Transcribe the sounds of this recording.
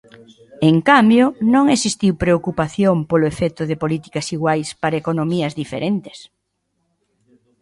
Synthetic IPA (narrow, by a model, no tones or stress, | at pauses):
eŋkambjonõŋesist̪iwpɾeokupaθjompolʊefɛt̪ʊðɪpolit̪i̥kɐsiɣwajspaɾɐekonomiɐzðifḛɾent̪e̥s